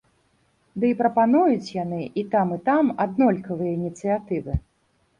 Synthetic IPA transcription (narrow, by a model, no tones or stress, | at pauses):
d̪ɨipɾɐpanujut͡sʲjanɨʔit̪amɨt̪amad̪nɔlʲkɐvɨjɐinʲit̪sɨjat̪ɨvɨ